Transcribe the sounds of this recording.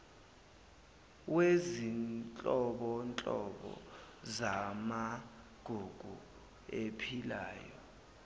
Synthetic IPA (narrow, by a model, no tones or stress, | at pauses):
wezint͡ɬʼɔɓɔnt͡ɬʼɔɓɔ̰ | zama | ɡ̥ʱuɡ̥ʱu | epʰilaːjɔ